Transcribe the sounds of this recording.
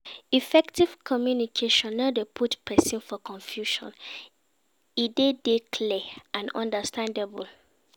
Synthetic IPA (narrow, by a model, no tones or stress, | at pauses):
ifɛktiv̥kʰɔmjunikʰeʃɔ̃nːadepʰutpʰɛsĩnfɔkʰɔ̃nfjuʃɔ̰̃n | idedekʰlɛʔãnɔ̰̃ndəstʰãndebul